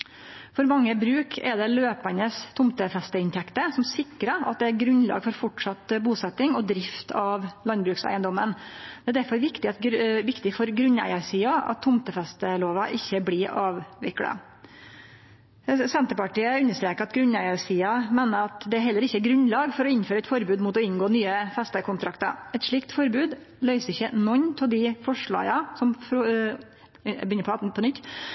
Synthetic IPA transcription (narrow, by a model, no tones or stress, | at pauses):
fɔɾmɑŋːəbɾʉːkʰɛd̪ɛløːpɑnəst̪ʰʊmt̪əfɛst̪əɪnt̪ʰɛkt̪əsɔmsɪkːɾəɑt̪̚d̪ɛæɾɡɾʉnlɑ̰ːɡfɔɾfɔʈʂɑt̪buːsɛt̪ːɪŋɔd̪ɾɪft̪ʰɑʋlɑnbɾʉːksæ̰ɪənd̪ɔmːənd̪ɛæɾd̪æɾfɔɾʋɪkt̪ɪɑt̪ʋɪkt̪ɪfɔɾɡɾʉnæ̰ɪəɾsiːɑʔɑ̰t̪ʰːʊmt̪əfɛst̪əloːʋɑʔɪçːəblɪɑːʋʋɪklɑ̰ | sɛnt̪əɾpɑʈiːəʉnːəʂt̪ɾeːkəɾɑt̪ɡɾʉnæɪɑɾsiːɑmeːnəɾɑt̪d̪ɛæɾɦɛlːəɾɪçːəɛɡɾʉnlɑːɡfɔɾɔɪnføːɾəɛt̪fɔɾbʉːd̪mut̪ɔɪnɡoːnyːəfɛst̪əkʰʊnt̪ʰɾɑkt̪ɑ̰ɛt̪ʂɭɪkt̪fɔɾbʉːd̪ | lœʏsəɪçːənɔɲːt̪ʰɔld̪ɪfɔʂɭɑ̰ːɡɑsɔmf | bʏnəpʰɔɑt̩̪pʰɔnʏt̪ː